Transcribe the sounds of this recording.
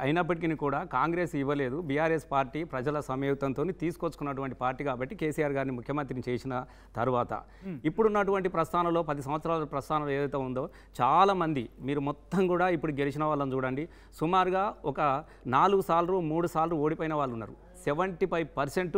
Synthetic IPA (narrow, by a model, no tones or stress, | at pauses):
ɐjinɐp̬ːɐʈik̬inikuːɽaːkaːŋɡɾe̞ːsiʋɐle̞ːd̪ubiːjaːɾespaːɾʈiːpɾɐd͡ʒɐlɐsɐmjɛːt̪ɐnt̪oːnit̪iːsu̥kot͡ʃːu̥kunːɐʈ̬uʋɐɳʈi̥paːɾʈːiːkaːbɐʈːike̞ːsiːjaːɾɡaːɾnimukʰjɐmɐnt̪ɾinit͡ʃeːsinɐ | t̪ɐ̰ɾuʋaːt̪ɐ̰ | ipːuɽunːɐʈ̬uʋɐɳʈipɾɐst̪ʰaːnɐmlo̞ːpɐd̪is̬ɐmʋɐt̪sɾaːlɐpɾɐst̪ʰaːnɐmlːeːd̪ɐjt̪eːund̪o̞ː | t͡ʃaːlaːmɐnd̪imiːɾumɔt̪ːɐmkuːɽaːipːuɽuɡe̞lit͡ʃinɐʋaːɭːɐnt͡ʃuːɽɐɳɖi | sumaːɾuɡaːɔkɐ | naːluɡusaːlɐɾuːmuːɽusaːlɾuːoːɽipoːjinɐʋaːɭːunːa̰ːɾu | seʋɐɳʈipɐjpɐɾseɳʈ